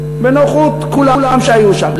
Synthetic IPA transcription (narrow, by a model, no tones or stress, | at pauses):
benoχut̪kulalamʃeajuʃaml